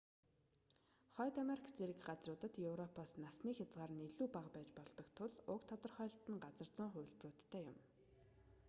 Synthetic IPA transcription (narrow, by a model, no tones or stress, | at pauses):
χɔːt̪ameɾikʰt͡seɾɘ̆kɢat͡srʊːt̪ə̆t̪jɵwrɔpʰɔːsnasniːxʲat͡sʁaːrə̆neɮuːpaʁpæːt͡ɕpɔɮt̪ɞ̆kt̪ʰʊɮʊkt̪ʰɔt̪ɞ̆rχœːɮt̪ə̆ŋɢat͡sə̆r̥t͡sʊ̆ːɴχʊ̟jɮprʊːt̪ʰːæːjʊ̰m